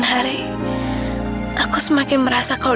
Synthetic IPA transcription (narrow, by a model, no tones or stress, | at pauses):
nɦaɾe | akʰusmakeməɾasakʰa